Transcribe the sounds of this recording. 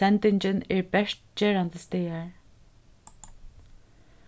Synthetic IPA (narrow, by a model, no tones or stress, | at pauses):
ɛnt̪ɪɲt͡ɕɪnɛɹbɛʂt̪̚t͡ɕɛːɹant̪əst̪ɛːaɹ